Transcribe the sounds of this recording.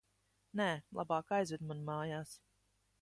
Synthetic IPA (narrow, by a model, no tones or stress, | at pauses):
nɛːlˠa̰bɑːkajzvɛd̪manumɑːjaːs